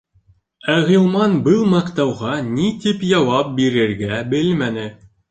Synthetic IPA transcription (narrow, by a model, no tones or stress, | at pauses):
æʁilˠmɑnbɤlˠmɑqt̪ɑwʁɑnit̪ipjɑwɑp̚biɾɘ̆ɾɡæbɘlmænɘ